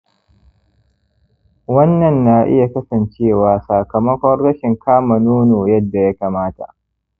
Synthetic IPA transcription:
wɐ˦nːɐ˨nːa˨ʔɪ̰˦ja˨kɐ˦sɐ˨nt͡ʃeː˦˨waː˨saː˨kɐ˨mɐ˦kʷɔ˦rːɐ˦ʃɪ˨ŋkʰaː˦mɐ˨noː˦noː˨jɐ˦dːa˨ja˦kaː˨maː˦ta̰˨ʔ

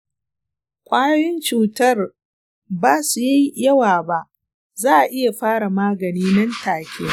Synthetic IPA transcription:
kʷʼaː˦jɐ˦jɪ˦nt͡ʃuː˨tɐ˦r | baː˦su˨ja˦jjɐ˦waː˨ba˦ʔ | zaː˦ʔa˨ʔɪ˦ja˨ɸaː˦ɽa˨maː˦ɡɐ˨niː˦nɐ˦ntaː˨kʲʰeː˦

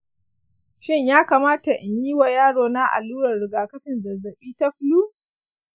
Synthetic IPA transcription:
ʃɪ˦˨ɲjaː˦kaː˨maː˦ta˨ʔɪ˨ɲjiː˦wa˨jaː˦ɽoː˨na˦ʔa̰˨lːuː˦ɽɐ˨rɽɪ˨ɡaː˨kɐ˦ɸɪ˨nzɐ˨zɐ˨ɓiː˦ta˦ɸʊ˦luː˦

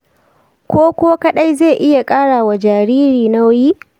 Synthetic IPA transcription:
kʷoː˦kʷo˦ka˦ɗa˦jzeː˦˨ʔɪ˦ja˨kʼaː˦ɽaː˨wa˨d͡ʒaː˨ɽiː˦ɾiː˨na˦wʊ˦ji˦

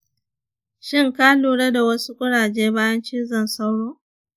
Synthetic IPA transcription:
ʃɪ˦ŋkaː˦luː˨ɽɐ˦da˨wɐ˦su˦kʷʼʊ˦ɽaː˨d͡ʒeː˦baː˦jɐ˦nt͡ʃiː˦zɐ˨nsa˦wɽoː˦

